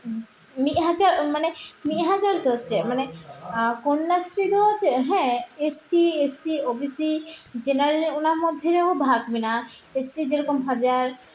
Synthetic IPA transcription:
miʔɦad͡ʑaɾmanemiɦad͡ʑaɾt̪oɦotːt͡ɕʰemane | konːasɾit̪oɦot͡ʃʰeɦɛ̃esʈiesʈiobisid͡ʑenaɾɾeonaɾmod̪ʱːeɾeobʱaɡminaesʈid͡ʑeɾɔkomɦad͡ʑaɾ

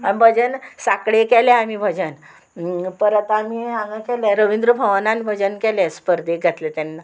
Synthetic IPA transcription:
ambʱəd͡ʑənsakɽekɛlɛamibʱəd͡ʑən | pəɾat̪aamiamãkɛlɛɾəʋind̪ɾəbʱəʋanãnbʱəd͡ʑənkɛlɛ̃spəɾd̪ʱeɡʱət̪let̪ɛnːa

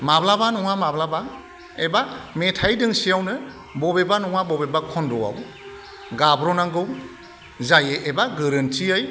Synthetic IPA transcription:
mablabanɔŋamablaba | ebametʰajdɯŋsijawnɯ | bɔbebanɔŋabɔbebakʰɔndɔwa̰w | ɡabɾɔnaŋɡɯw | zajeʔebaɡɯɾɯntʰiɯj

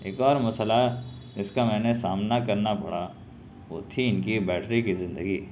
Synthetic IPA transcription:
ḛːkɔːɾmɐsla | d͡ʒɪskamɛ̃ːnesaːmnakɐɾnapɐ̰ɽ̤a | ʋo̰ːt̪ʰiɪnkibɛːʈʰɾikizɪ̃nd̪əɡiː

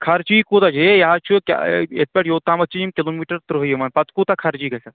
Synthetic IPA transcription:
kʰɐɾt͡ʃiːkut̪ɐd͡ʒejaɦat͡ʃʰukʲa̰et̪̚pʲeʈjoːt̪aːmɐt͡ʃiimkiloːmiːʈɐɾt̪ɾɨɦjemɐnpɐt̪kut̪akʰɐɾt͡ʃiːkɐkɐt̪

